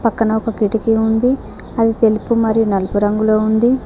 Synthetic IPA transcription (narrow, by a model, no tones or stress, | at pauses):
pɐkːɐnɐɔkɐɡiʈikiund̪i | ɐd̪it̪e̞lipumɐɾijunɐlɐpuɾɐŋɡulo̞ːund̪i